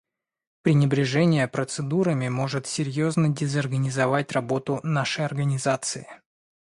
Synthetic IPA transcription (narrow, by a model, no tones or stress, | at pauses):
pɾʲɪnʲɪbɾʲɪʐɛnʲɪjəpɾət̪sɨd̪uɾəmʲɪmo̞ʐɨt̪sʲɪɾʲjo̞znədʲɪzɐrɡənʲɪzɐvat̚ʲrɐbo̞t̪ʊnaʂɨjɐrɡənʲɪzat̪sɨɪ